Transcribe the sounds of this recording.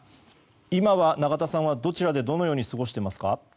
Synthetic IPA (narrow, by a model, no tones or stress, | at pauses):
imaβanaɡat̪asãɰ̃β̞ad̪o̞t͡ɕiɾad̪e̞d̪o̞nojo̞ːɲisɨɡo̞ɕi̥t̪e̞masɨ̥ka